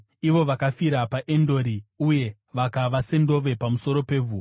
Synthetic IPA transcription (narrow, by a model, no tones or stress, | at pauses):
iʋo̞ʋakafiɾapaʔendo̞ɾiuje̞ | ʋakaʋasendo̞ʋe̞pamuso̞ɾo̞pe̞vʱuː